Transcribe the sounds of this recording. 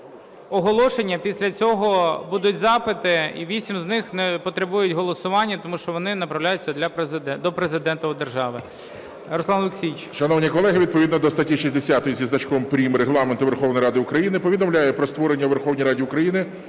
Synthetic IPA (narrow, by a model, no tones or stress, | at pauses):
ɔɦɔlˠɔʃenʲːɐpʲisʲlʲɐt͡sʲɔɦɔbud̪ʊtʲzɑpɪt̪ɪḭʋʲisʲimznɪxnɛpɔt̪ɾebujʊtʲɦɔlˠɔsʊʋɑnʲːɐt̪ɔmuʃt͡ʃɔʋɔnɪnɐpɾɐwlʲajʊt͡sʲːɐd̪lʲɐpɾzd̪ɛd̪ɔpɾezɪd̪ɛnt̪ɔd̪erʒɑʋɪ | ɾɔsˠɑnlˠʊksʲijt͡ʃʃɐnɔwnʲikɔlˠɛɦɪʋʲid̪̚pɔʋʲid̪nɔd̪ɔst̪ɐtʲiʃisʲd̪esʲat̪ɔjizʲiznɐt͡ʃkɔʋɪmpɾʲimɾeɦlˠɑment̪ʊʋerxɔwnɔjɾɑd̪ɪʊkɾɐjinɪpɔʋʲid̪ɔmlʲajɛpɾɔst̪ʋɔɾenʲːɐʋerxɔwnʲijɾɑdʲiʊkɾɐjinɪ